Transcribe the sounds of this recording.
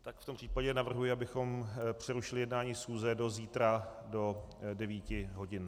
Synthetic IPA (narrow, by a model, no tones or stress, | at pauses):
t̪akft̪o̞mpr̥iːpaɟɛnavr̩ɦujɪabɪxo̞mpr̝̥ɛɾuʃɪlɪjɛdnaːɲiːsxuːzɛdo̞ziːt̪ɾado̞dɛviːcɪɦo̞ɟɪn